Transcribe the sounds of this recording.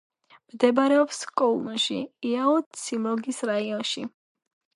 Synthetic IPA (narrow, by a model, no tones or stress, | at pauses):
md̪ɛbaɾɛɔpskʼɔulˠʃḭiaɔt̪sʰimɔɡisɾaiɔnʃi